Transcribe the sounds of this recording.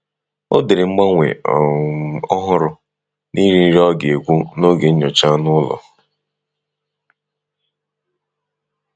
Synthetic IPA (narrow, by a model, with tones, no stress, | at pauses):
o˦dɪ˨ɾɪ˨ŋ͡m̩˦ɡ͡ba˦ŋʷḛ˨ | ɔ˦ɦʊ˦ɾʊ˨ | ni˦ɾi˦i˦ɾɔ˦ɡe˨ɡʷu˦no˦ɡe˨ɲ̩˦ɲɔ˨t͡ʃa˦nʊ˦lɔ̰˨